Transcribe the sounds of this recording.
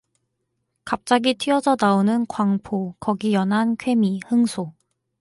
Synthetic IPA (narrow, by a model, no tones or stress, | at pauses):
kap̚t͡ɕ͈aɡitʰiʌd͡ʑʰʌnaonɯnkwaŋpʰokʌɡijʌnɦankʰwe̞mihɯŋsʰo